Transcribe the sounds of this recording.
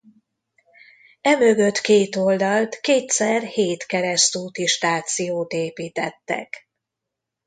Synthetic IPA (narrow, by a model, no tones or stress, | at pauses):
ɛmø̞ɡø̞t̪keːt̪o̞ld̪ɒlt̪keːt̪sɛrheːt̪kɛɾɛst̪uːt̪iʃt̪aːt̪sijoːt̪eːpiːt̪ɛt̪ːɛ̰k